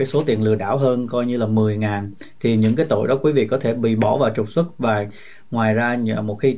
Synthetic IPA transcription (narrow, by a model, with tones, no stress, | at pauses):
aː˨˦jso˨˦t̪i˨˩ənlɨ̰˨˩əɗa̰ː˧˩wɦəː˧nkɔ˧jɲɨ˧laː˨˩mɨ˨˩əjŋaː˨˩n | t̪ʰi˨˩ɲɨ̰˧˥ŋkaː˨˦jt̪o̰˧˨jɗɔ˨˦kwi˨˦vḭ˧˨kɔ˨˦t̪ʰe˧˩ɓḭ˧˨ɓɔ˧˩vaː˨˩wt͡ɕʊ˨˩k͡p̚swə˦˥t̚vaː˨˩ | ŋwaː˨˩jzaː˧mo˨˩t̚xi˧